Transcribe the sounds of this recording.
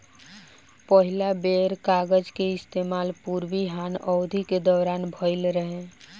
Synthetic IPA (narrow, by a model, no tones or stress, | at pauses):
pəɦilabeɾkaɡəd͡ʒkeɪst̪emaːlpuɾbiɦanɔʊd̪ʱiked̪ɔwɾaːnbʱəɪlɾəɦẽ